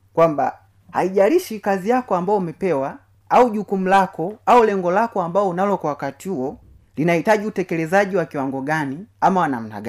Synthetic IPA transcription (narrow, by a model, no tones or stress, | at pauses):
kwamba̰ | ha̰iʄaliʃikazijakɔambaɔumɛpɛwa | auɟukum̩lakɔaulɛŋɡɔlakɔambaɔunalɔkɔwakatiuɔ | linahitaɟiutɛkɛlɛzaɟiwakiwaŋɡɔɡaniamawana̰m̩na̰ɡa